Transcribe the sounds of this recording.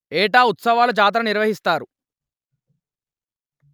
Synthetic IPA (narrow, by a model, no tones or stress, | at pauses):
ɛːʈaːut̪sɐʋaːlut͡ʃaːt̪̬ɾɐniɾʋɐɦist̪aːɾu